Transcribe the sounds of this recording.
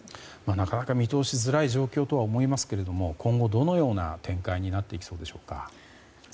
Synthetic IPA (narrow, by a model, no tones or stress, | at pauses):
manakanakamʲit̪o̞ːɕizɨɾaiʑo̞ːkʲo̞ːt̪o̞βaomo̞imasɨ̥ke̞ɾe̞d̪o̞mo̞kʰõ̞ŋɡo̞d̪o̞no̞jo̞ːna̰t̪ʰẽ̞ŋkaiɲ̟inat̪ːe̞ikʲi̥so̞ːd̪e̞ɕo̞̥ːka̰